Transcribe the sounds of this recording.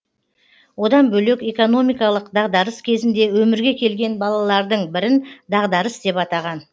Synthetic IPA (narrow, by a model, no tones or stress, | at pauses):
wo̞d̪ɑnbɵle̞kʲe̞ko̞no̞mijkɑlˠəqd̪ɑʁd̪ɑɾəskʲʰe̞zɪnd̪e̞wɵmɪɾɡʲe̞kʲʰe̞lɡʲe̞nbɑlˠɑlˠɑɾd̪əɴbɪɾɪnd̪ɑʁd̪ɑɾəsd̪e̞pɑt̪ɑʁɑn